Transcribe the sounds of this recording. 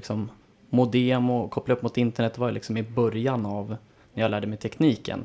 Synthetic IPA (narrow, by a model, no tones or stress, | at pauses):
ɪksɔmː | ʊd̪ɛːmɔkʰɔpːlaɵpːmʊt̪ɪnt̪əɳɛt̪ːvaɾjlɪ̰ksɔmɪbœɾjanav | næɾjalæːɖəmɛjt̪ʰɛkniːkə̰n